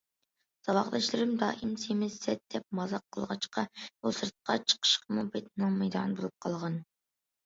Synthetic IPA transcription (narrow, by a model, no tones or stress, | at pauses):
z̥ɑwɑʁd̪ɑʃlˠɨɾɪmd̪ɑːʔimsemɪzsɛt̪̚d̪̥ɛp̚mɑzɑqʰːəlˠʁɑt͡ʃqɑbusɨɾt̪̚qʰɑt͡ʃʰə̥qʰə̥ʃqʰəmubet̪̚nɪŋmɛjd̪ɑ̰ːnɨbolˠɨp̚qʰɑlˠʁɑn